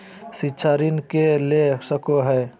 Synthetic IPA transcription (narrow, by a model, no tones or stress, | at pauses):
sitːʃʰaɾinkelesəkoɦɛː